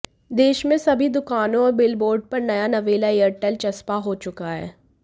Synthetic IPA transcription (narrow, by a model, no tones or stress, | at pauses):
d̪eːʃmẽsɐbʱid̪ʊkaːnõɔːɾbɪlboːɾɖ̚pɐɾnɐjanɐʋeːlaeːəɾʈɛlt͡ʃɐspaɦoːt͡ʃʊkaɦɛ̰ː